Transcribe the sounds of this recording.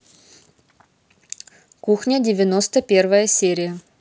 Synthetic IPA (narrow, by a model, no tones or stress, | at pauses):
kuxnʲədʲɪvʲɪno̞st̪əpʲe̞rvəjəsʲeɾʲɪjə